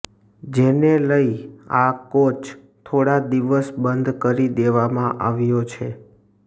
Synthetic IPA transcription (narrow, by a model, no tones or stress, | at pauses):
d͡ʒeneləiakot͡ʃʰ | t̪ʰoɽad̪iʋəsbənd̪ʱkəɾid̪eʋamãʔaʋjot͡ʃʰe